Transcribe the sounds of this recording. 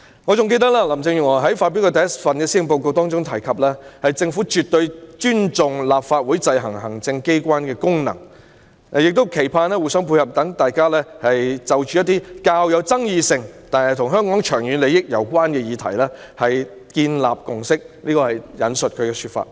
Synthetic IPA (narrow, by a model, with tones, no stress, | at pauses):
ŋɔ˨˧t͡sʊ˨ŋke˧jt̪ɐ˥k̚laː˥lɐ˨˩mt͡sɪ˧ŋjy˨ŋɔː˨˩ɦɐ˨˥jfaː˧p̬i˨˥kɔ˧t̪ɐ˨jɐ˥tfɐ˨nkɛː˧si˥ɪ˨˩ŋp̬o˧wko˧t̪ɔː˥ŋt͡sʊ˥ŋt̪ʰɐ˨˩jkʰɐ˨p̚lɛː˥hɐ˨jt͡sɪ˧ŋfuː˨˥t͡ʃyː˨t̪̚ːɵ˧ɥt͡ʃyː˥nt͡sʊ˨ŋlaː˨p̚faː˧t̚wuː˨˥jt͡sɐ˧jɦɐ˨˩ŋɦɐ˨˩ŋt͡sɪ˧ŋke˥jkʷaː˥nkɛː˧kʊ˥ŋnɐ̰˨˩ŋ | ɐ˨jɪ˨k̚t̪o˥wkʰe˨˩jpʰaː˧nɛː˥wu˨˩sœ˥ŋpʰu˧jhɐ˨p̚t̪ɐ˨˥ŋt̪aː˨jkaː˥lɛː˥hɐ˨jt͡sɐ˨wt͡ʃyː˨˦jɐ˥t̪ːiː˥kaː˧wjɐ˨˧wt͡sɐ˥ŋjiː˧sɪ˧ŋt̪aː˨nhɐ˨jt̪ʰʊ˨˩ŋɦœː˥ŋkɔː˨˥ŋt͡ʃʰœː˨˩ŋjyː˨˧nle˨˧jɪ˥k̚jɐ̰˨˩wkʷaː˥nkɛː˧jiː˨˧t̪ʰɐ̰˨˩jlɛː˥ | hɐ˨j | kiː˧nla̰ː˨p̚kʊ˨ŋsɪ˥k̚liː˥kɔː˧hɐ˨jjɐ̰˨˥nsɵ˨t̚kʰɵ˨˧ɥkɛː˧syː˧t̚fa̰ː˧t̚